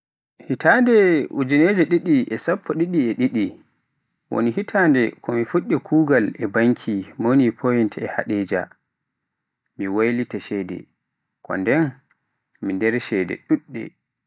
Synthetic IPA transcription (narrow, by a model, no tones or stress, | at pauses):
hitʰandɛud͡ʒined͡ʒɛɗiɗiʔɛsapʰːɔɗiɗiɛɗiɗi | wo̰niɦitʰaːndɛkʰɔmifuɗːɛkʰuːɡalɛbaŋkʰimonipʰojintɛha̰ɗɛd͡ʒa̰ | miwajlitaʃɛdɛ̰ | kɔ̰ndɛn | mindɛɾʃɛdɛ̰ɗuɗːɛ̰